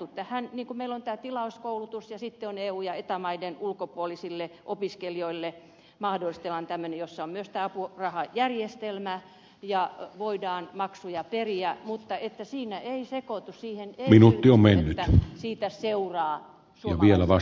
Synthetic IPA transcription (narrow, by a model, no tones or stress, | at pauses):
ut̪t̪ːæhænniːŋkumeilont̪æːt̪ilɑuskoulut̪usjɑsit̪ːeoneːuːjɑet̪æmɑidenulkopuolisilːeʔopiskelioilːe | mɑhdolːˑist̪elːɑnt̪æmːønejosːɑommyøst̪æːɑpurɑhɑjærjest̪elmæ | jɑʋoidɑːnmɑksujɑperiæmut̪ːɑet̪ːæsiːnæʔeisekot̪ussiːheneminut̪ːiommennːyt̪siːt̪æseurɑː | sjɑ̰ʋielæʋɑ